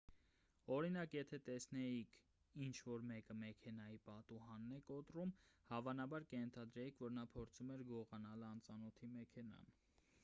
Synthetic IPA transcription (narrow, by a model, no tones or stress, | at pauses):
ɔɾinɑkjɛt̪ʰɛt̪ɛsnɛjikʰ | int͡ʃʰvɔɾmɛkəmɛkʰɛnɑjipɑt̪uɦɑnːɛkɔt̪rumhɑvɑnɑbɑɾkəjɛnt̪ʰɑd̪ɾɛjikʰvɔɾnɑpʰɔɾt͡sʰumɛɾɡɔʁɑnɑlɑnt͡sɑnɔt̪ʰimɛkʰɛnɑ̰n